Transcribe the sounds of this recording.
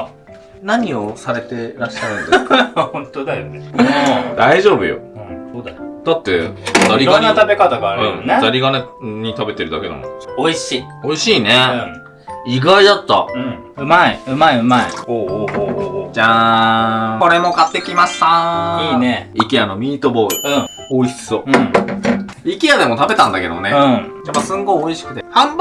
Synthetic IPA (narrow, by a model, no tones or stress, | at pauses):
naɲ̟io̞saɾe̞t̪e̞ɾaɕːaɯ̟̃nd̪ehõnt̪od̪aoned̪aiʑo̞ːbɯ̟̰jo̰soːd̪ajod̪̥at̪ːeat̪aɾʲiɾanːat̪abe̞kat̪aɡaːɾɯ̟̃ɴt̪aɾʲiɡane | ɲ̟it̪abe̞t̪e̞ɾɯd̪ake̞d̪a̰mo̰o̞iɕiː | o̞iɕiːne | iɡaid̪at̪ːa̰ɯ̃ | ɯ̟maiɯ̟maiɯ̟maḭhoːhoːhoːhd͡ʑaː | ko̞ɾe̞mo̞ɡat̪ːe̞kʲimaɕt̪aiːneikʲiano̞mʲiːt̪obo̞iɯ̃ɴ | oiç̥t͡sɨoɯ̃ɴ | ikʲijad̪e̞mo̞t̪abe̞t̪ãnd̪ake̞d̪o̞neɯ̟̃apːasɨ̃ŋɡo̞ioiɕi̥kɯ̟t̪ehãmb